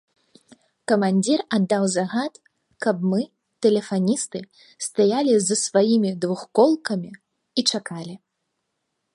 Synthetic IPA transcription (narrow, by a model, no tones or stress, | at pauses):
kɐmanʲd͡zʲirad̪ːawzaɣat̪ | kɐb̚mɨ | t̪ɛlʲɛfanʲist̪ɨ | st̪ajalʲizɐsvajimʲid̪vuxkɔlˠkɐmʲi | it͡ʂakalʲi